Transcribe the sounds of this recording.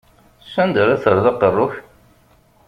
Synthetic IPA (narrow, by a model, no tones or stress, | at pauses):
sːænd̪əɾæθəɾðɑqːərˤːʊç